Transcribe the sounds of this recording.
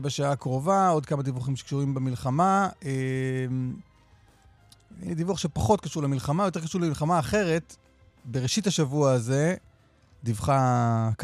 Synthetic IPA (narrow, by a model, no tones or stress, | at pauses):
baʃaakʁo̞vao̞dkamad̪ivuχimʃe̥kʃuʁimbemilχamaʔem | divuaχʃepaχo̞tkaʃuʁlemilχamajote̞ʁkaʃuʁlemilχamaːχe̞ʁe̞t | beʁeʃithaʃavuaaze̞ | divχak